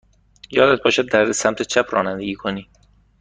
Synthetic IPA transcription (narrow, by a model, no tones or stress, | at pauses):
jɒːd̪æt̪̚bɒːʃæd̪ːæɾd̪esæmt̪ʰet͡ʃʰæpʰɾɒ̰ːnænd̪eɡiːkʰoniː